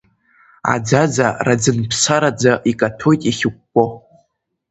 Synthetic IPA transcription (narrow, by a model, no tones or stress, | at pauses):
a̰d͡zad͡zarad͡zɨnpʰsaɾad͡zaʔikʼatʰo̞jtʼiχʲɪk̚ʷːʼo